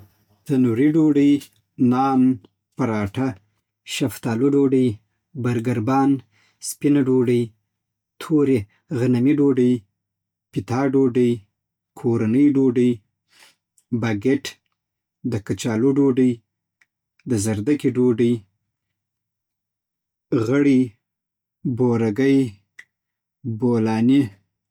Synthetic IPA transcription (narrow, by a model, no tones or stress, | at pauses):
t̪anuɾiɖoɖəj | nɑːn | paɾɑʈa | ʃaft̪ɑːluɖoɖəj | baɾɡaɾbɑn | spinaɖoɖəj | t̪ʰoɾe | ɣanamiɖoɖəj | pɪt̪ɑɖoɖəj | kʰoɾanəjɖoɖəj | baɡeʈ | d̪əkat͡ʃɑluɖoɖəj | d̪əzaɾd̪akiɖoɖəj | ɣəɽi | boɾaɡəj | bolɑni